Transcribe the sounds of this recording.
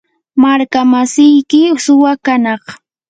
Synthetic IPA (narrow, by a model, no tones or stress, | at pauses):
maɾkamasɪjkɪsʊwakanɑχ